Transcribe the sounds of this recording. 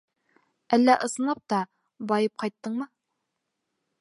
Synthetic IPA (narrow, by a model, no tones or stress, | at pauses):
ælːæʔɤ̆sɤ̆nˠɑp̚t̪ɑ | bɑjɤp̚qɑjt̪ːɤɴmɤ